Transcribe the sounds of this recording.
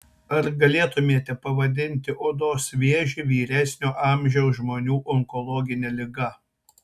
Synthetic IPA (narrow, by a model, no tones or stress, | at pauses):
ɐɾɡɐlʲeːt̪ʊmʲeːt̪ʲɛpɐʋɐd̪ʲɪnʲt̪ʲɪʔod̪oːsʋʲeɛʒʲiʋʲiːɾʲæsʲnʲoːʔɑːˑmʲʒʲɛʊsʒmoːnʲuːʔɔŋkɔlˠɔːɡʲɪnʲɛlʲɪɡɐ